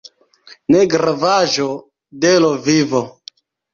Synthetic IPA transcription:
neɡɾavaʒo | delovivo

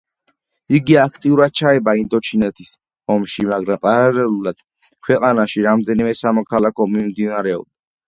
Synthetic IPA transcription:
iɡiakʰt̪ʼiuɾad̪̥̚t͡ʃʰaɛbaind̪ɔt͡ʃʰinɛt̪ʰis | ɔmʃimaɡɾapʼaɾalɛlulad̪̥ | kʰwɛqʼanaʃiɾamd̪ɛnimɛsamɔkʰalakʰɔmimd̪inaɾɛɔ̰b̚d̪a

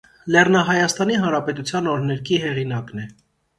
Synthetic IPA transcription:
lɛrnɑɦɑjɑst̪ɑniɦɑnɾɑpɛt̪ut͡sʰjɑnɔɾnɛɾkʰiɦɛʁinɑknɛ

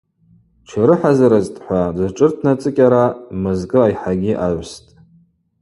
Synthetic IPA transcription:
t͡ʃʰaɾɨħazaɾɨztʼħʷadɨʈ͡ʂʼɨrtʰnat͡sʼɨkʲʼaɾamɨzkʼɨajħaɡʲiʔaʕʷstʼ

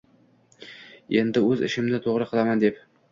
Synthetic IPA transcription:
e̞nd̪ɪɵzɪ̰ʃɪmnɪt̪ʰoʁɾɨqʰɨlˠamand̪ep

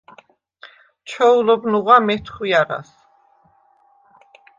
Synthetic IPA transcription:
t͡ʃʰɔulɔbnuʁamɛt̪ʰχwiaɾa̰s

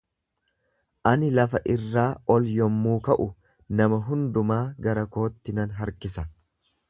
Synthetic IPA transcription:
ʔɐnɪlɐfɐʔɪrːaːɔljɔmːuːkɐʔʊ | nɐmɐɦʊnd̪ʊmaːɡɐɾɐko̞ːt̪ːɪnɐnɦɐɾkɪsɐ

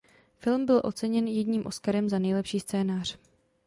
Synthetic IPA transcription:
fɪlmbɪlʔo̞̰t͡sɛɲɛnjɛɟɲiːmʔo̞skaɾɛmzanɛjlɛpʃiːst͡sɛːnaːr̝̥

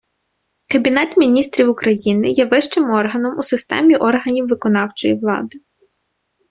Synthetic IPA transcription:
kɐbʲinɛt̪mʲinʲist̪ɾʲiwʊkɾɐjinɪjɛʋɪʃt͡ʃɪmɔrɦɐnɔmusɪst̪ɛ̰mʲiʔɔrɦɐnʲiwʋɪkɔnɑwt͡ʃɔjiʋlˠɑ̰d̪ɪ

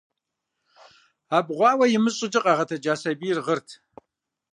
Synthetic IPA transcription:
aːbʁʷɑːwɐjɪmɨɕʼɪd͡ʒɪqʼɑːʁɐtʰɐd͡ʒaːsɐbiːrʁərtʰ

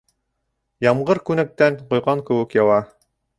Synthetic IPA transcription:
jɑmɢɤɾkʉnæk̚t̪ænqŏjʁɑŋkɘ̆wɘ̆kjɑw̪ˠɑ

